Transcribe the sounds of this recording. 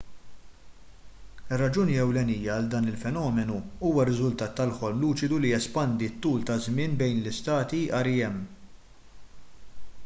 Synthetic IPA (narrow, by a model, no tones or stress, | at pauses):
ɪrːɐd͡ʒuːniɛwlɛniːjɐːld̪ɐːnɪlfɛnɔːmɛnuuːwɐɾɪzʊlt̪ɐːt̪ːɐlħɔlmluːt͡ʃɪd̪ulijɛspɐnd̪it̪ːuːlt̪ɐzmɪːnbɛjnlɪst̪ɐːt̪iɐɾɪɛmː